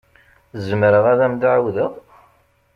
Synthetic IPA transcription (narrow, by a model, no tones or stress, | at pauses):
zəmɾəʁæðæmd̪ʕwðəʁˤ